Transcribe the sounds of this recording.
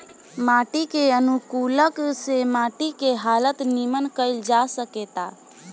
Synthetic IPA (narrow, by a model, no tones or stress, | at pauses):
maːʈikeənukuləksemaːʈikeɦaːlət̪nimənkəɪld͡ʒasəket̪a